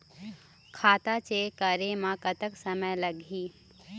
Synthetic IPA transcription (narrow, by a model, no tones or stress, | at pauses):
kʰaːt̪at͡ʃekɐɾemãkət̪əksəməjlɐɡʱiː